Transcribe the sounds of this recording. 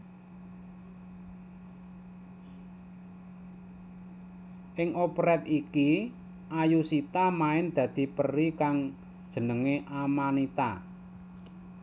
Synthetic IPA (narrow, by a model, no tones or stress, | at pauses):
ʔɪŋʔopɾɛt̪̚iki | ʔajusit̪amaɪnd̪̥ä̤d̪̥i̤pərikaŋ | d̥ʒ̥ə̤nəŋeʔamanit̪a̰